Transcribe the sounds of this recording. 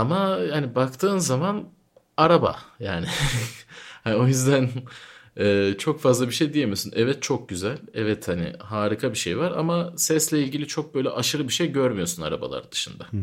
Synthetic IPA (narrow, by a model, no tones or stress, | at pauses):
amajanibakt̪ʰɯːnzaman | aɾaba̰jaːnɪ | hanio̞jyzd̪æn | ɛːt͡ʃʰo̞kfazlˠabiʃe̞jd̪ijemijosunʔɛvɛt̪̚t͡ʃʰo̞k̚ɟyzælʲɛvɛt̪hanɪ̰ɦaːɾikʰabiʃḛjvaɾa̰masɛslʲɛilʲɟilʲit͡ʃʰo̞k̚bø̞jlʲɛ̰ʔaʃɯɾɯbiʃejɟøɾmyjo̞suna̰ɾa̰ba̰lˠa̰ɾd̪ɯʃɯnd̪a